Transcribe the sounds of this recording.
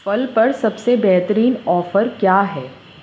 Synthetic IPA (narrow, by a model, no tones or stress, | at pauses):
fɐlpɐɾsɐbsebɛɦt̪əɾiːnɔːfəɾkjaːɦɛː